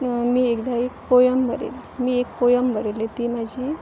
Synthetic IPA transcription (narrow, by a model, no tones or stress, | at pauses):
miːekd̪aek̚pojəmbʱəɾḛlmiːekpojəmbəɾelet̪imad͡ʑʱiː